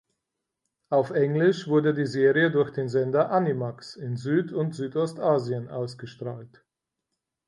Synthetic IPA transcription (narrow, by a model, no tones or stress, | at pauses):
ʔaʊfʔɛŋlɪʃv̥ʊɐdədiːzeːʁiədʊɐçd̥eːnzɛndɐʔanimaksɪnzyːtʊntz̥yːtɔstʔaːziənʔaʊsɡ̥əʃtʁ̥aːlt